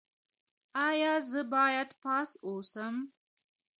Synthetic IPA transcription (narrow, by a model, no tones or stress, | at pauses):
aːjaːzɨbaːjat̪ʰpʰaːsowsɐm